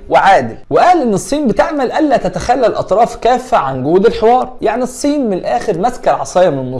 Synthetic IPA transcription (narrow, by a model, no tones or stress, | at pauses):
weʕaːd̪ɪlweʔæːlʔenːesˤːiːnbɪt̪eʕmælʔælːæːt̪æt̪æxælːælʔɑt̪ˤɾˤɑːfkæːfːæʕanɡʊhuːd̪elħewɑːɾˤjaʕnisˤːiːnmɪnʔæːxeɾmæskæɾʕɑsˤɑːjɑmenenːosˤ